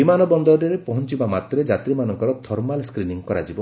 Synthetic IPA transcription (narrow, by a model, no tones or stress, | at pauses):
imanɔbɔnd̪ɔɾɔɾeɾepɔɦɔnt͡ʃibamat̪ɾed͡ʒat̪ɾimanɔŋkɔɾɔt̪ʰɔɾmalskɾiniŋkɔɾa̰d͡ʒibɔ